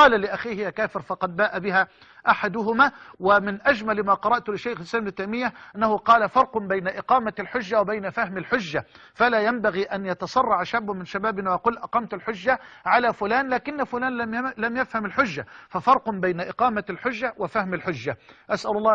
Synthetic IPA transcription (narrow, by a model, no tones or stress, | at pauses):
qɑːlalɪʔaxiːhjakaːfɪɾfɑqɑd̪̚baːʔabɪɦaː | ʔaħad̪ʊɦʊmaːwɪmɪnʔad͡ʒmalmaːqɑɾˤɑʔt̪ʊlɪʃaːxɪslaːmɪnɪt̪ajmɪjːaʔanːahʊqɑːlafɑɾˤqʊbajnaʔɪqɑːmalħʊd͡ʒːawabajnafahmalħʊd͡ʒːa | falaːjambaɣiːʔanjɑt̪ɑsˤɑrˤːɑʕʃabːʊmɪnʃabaːbɪnwajɑquːlʔɑqɑːmt̪alħʊd͡ʒːaʕalaːfʊlaːnlaːkɪnːafʊlaːnlamjafhamalħʊd͡ʒːafafɑɾˤqʊbajnaʔɪqɑːmalħʊd͡ʒːawɪfahmalħʊd͡ʒːaʔasʔalʊlˤːɑː